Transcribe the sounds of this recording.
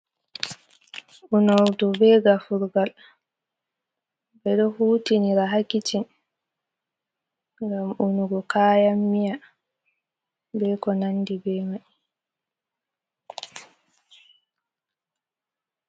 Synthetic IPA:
ʔunɔwdɔbɛɡafuɾɡal | bɛɗɔhuːtiniɾaɦakːitin | ŋɡamunuɡɔkaːjamːija | bɛkɔnanːdibɛmaʔi

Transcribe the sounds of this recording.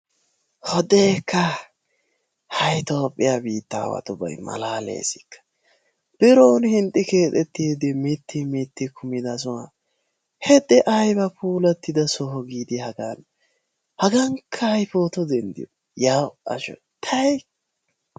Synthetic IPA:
hɔd̪ɛːkːɐ | hɐjt̪o̞ːpʼːɪjabiːt̪ːa̰ːwɐ̰t̪ʊbɐ̰jmɐ̰laːlḛːsɪ̥kːɐ̥ | b̥ɪɾoːnhɪnt̪ʼːɪke̞ːt̪ʼɛt̪ːeːd̪ɪmɪt̪ʰːimɪt̪ːɪkʰʊmɪd̪ɐsʊwa̰ | hɛd̪ɛʔɐjbɐpuːlɐt̪ːɪd̪ɐsɔɦɔɡiːd̪ɪhɐɡan | hɐɡɐŋkʰːɐhɐjpo̞ːt̪ɔd̪ɛnd̪ɪ̰jɔ | jaːwɐ̰ʃɔ̰ | t̪ʰɐj

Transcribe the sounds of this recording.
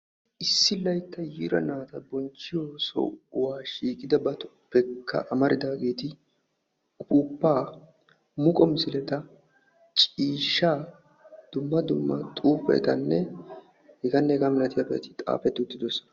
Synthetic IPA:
ʔɪsːɪlɐjt̪ːɐjiːɾɐ̰naːt̪ɐbɔnt͡ʃːɪjoːsɔ̰ʊwaːʃiːkʼɪd̪ɐbɐt̪ɔ̥pːɛkʰːɐ̰ʔɐmɐɾɪd̪aːɡe̞ːt̪ɪ | pʼupːaː | mʊkʼɔmɪsɪlɛt̪ɐ | t͡ʃʼiːʃːaː | d̪̥ʊmːɐd̪ʊmːɐt̪ʼuːpɛ̰t̪ɐnːɛ | hɛɡɐnːɛɛɡamɪlɐt̪ɪjɐpɛɐ̰t̪ɪ̥t̪ʼa̰ːfɛt̪ːɪʊt̪ːɪd̪ɔsːɔ̥nɐ

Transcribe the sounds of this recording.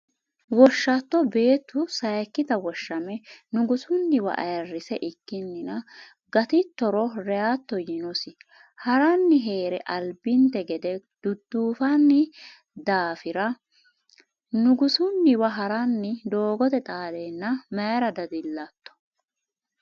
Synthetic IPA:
wɔʃːɐt̪ːɔbe̞ːt̪ːʊsɐjkːɪd̪ɐwɔʃːɐmɛnʊɡʊsʊnːɪwɐ̰ʔɐ̰jɐrːɪsɛʔɪkːɪnːɪnɐ | ɡɐt̪ɪt̪ːɔɾɔɾɛjat̪ːɔjɪnɔsɪ | hɐɾɐnːɪɦe̞ːɾɛʔɐlbɪnt̪ɛɡɛd̪ɛd̪̥ʊd̪ːuːfɐnːɪ | d̪aːfɪɾɐ | nʊɡʊsʊnːɪwɐɦɐɾɐnːɪd̪o̞ːɡɔt̪ɛt̪ʼaːlenːɐmɐɾɐd̪ɐd̪ɪlːɐt̪ːɔ̥

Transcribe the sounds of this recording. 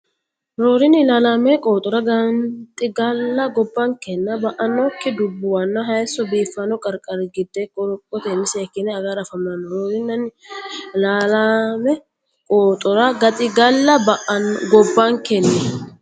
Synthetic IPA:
ɾo̞ːɾɪnɪlaːlamɛkʼoːt̪ʼɔɾɐɡɐnt̪ʼɪɡɐlːɐɡɔbːɐŋkɛnːɐbɐʔɐnːɔkːɪd̪ʊbːʊwɐnːɐɦɐjsɔbiːfːɐnɔkʼɐɾkʼɐɾɡɪd̪ːekʼːɔɾɔkʼːɔt̪eːmɪsɛːkːɪnɛɐɡaːɾɐfɐmnanːɔɾoːɾɪnːɐn | laːlaːmɛ | kʼoːt̪ʼɔɾaɡɐt̪ʼɪɡɐlːɐbʔɡɔbːaŋkɛnːɛ

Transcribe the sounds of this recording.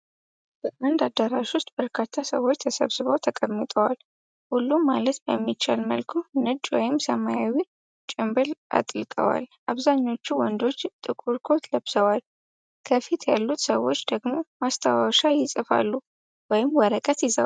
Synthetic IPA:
b̥əʔand̪ad̪ːəɾaʃwʊst̪ʼbəɾkʰat̪ʰːasəwot͡ʃːt̪ʰəsə̰βsɨβəwt̪ʰəkʼəmːɨt̪ʼəwal | hulːumːalət̪bə̰mːit͡ʃːa̰lmə̰lkʰunɨd͡ʒwɔ̰jɪmsəmajawi | t͡ʃʼɪmbɨlʔa̰t̪ʼlkʼə̰wa̰lʔaβzaɲːo̞t͡ʃːuwɔnd̪o̞t͡ʃːt̪ʼɨkʼuɾkʰo̞t̪ləβsəwal | kʰəfit̪jalːut̪səwo̞t͡ʃːd̪̥əɡmo̞mast̪ʰawaʃajɪsʼɨfa̰lːu | wɔjɪmwəɾəkʼət̪jɪzə̰w

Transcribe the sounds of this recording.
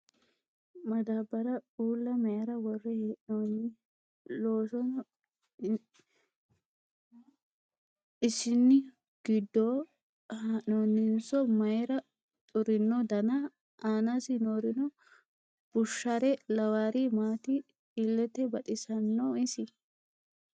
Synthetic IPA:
mɐd̪aːbːɐɾɐuːlːɐmɐjɾɐwɔrːɛheːʔnoːnɪ | loːsɔn | ɪsɪnːɪ | ɡ̥ɪd̪ːoː | haʔnonːɪnsɔmɐjɾɐ | t̪ʼʊɾɪnːɔd̪ɐnɐ | ʔaːnasɪnoːɾɪnɔ | b̥ʊʃːaɾɛlɐwaːɾimaːt̪ɪ | ɪlːɛt̪ɛbɐt̪ʼɪsɐnːɔɪsɪ

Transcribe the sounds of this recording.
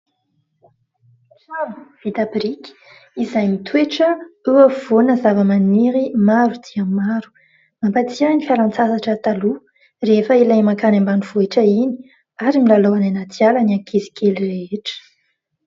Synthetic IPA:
sabuv̥it̪apɾik | izajmit̪ʰueʈ͡ʂəeav̥onəzavəmaniɾimaɾud̪̥iamaɾu̥ | mampat͡siənifjalant͡sasaʈ͡ʂət̪alu | refəilajmakanambanuv̥oeʈ͡ʂəini̥ | aɾimilaloananat̪jalaniakʰezi̥kʰelireeʈ͡ʂə̥

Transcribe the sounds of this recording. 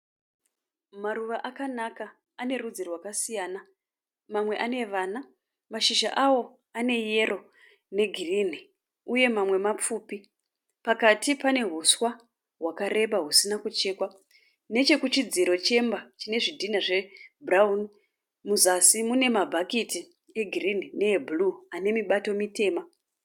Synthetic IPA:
maruʋaʔakanaka | ane̞rud͡zirwakasijaːna | mamwe̞ʔane̞ʋaːna | maʃiʒa̰ʔawo̞ | ane̞je̞rʔo̞ | ne̞ɡʱirin̤i | uje̞mamwe̞map͡fuːpi | pakatipane̞ɦuswa | ɦwakaɾe̞ɓaɦusinakut͡ʃe̞ːkwa | ne̞t͡ʃe̞kut͡ʃid͡ziɾo̞t͡ʃe̞mbat͡ʃine̞ʐidʱinaʐe̞bʱraun | muzasimune̞mabʱakiti | eɡʱirin̤ine̞ːbuluane̞miɓato̞mite̞ːma

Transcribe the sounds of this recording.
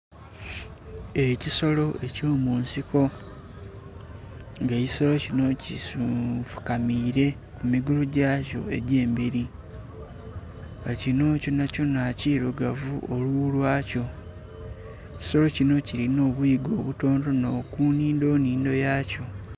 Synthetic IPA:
e̞ciso̞lo̞ʔe̞co̞ːmuːnsiko̞ | ŋɡe̞ːciso̞lo̞cino̞cisuvu̥kamiːɾe̞ | kumiɡuluɟaːco̞̰e̞ɟe̞ːmbiɾi | ɡacino̞ːco̞naco̞naciːɾuɡavṵʔoluulwaːco̞ | eci̥so̞lo̞cino̞cilino̞ːβuiɡo̞ːβuto̞ːndo̞no̞ːkuniːndo̞ːniːndo̞jaːco̞

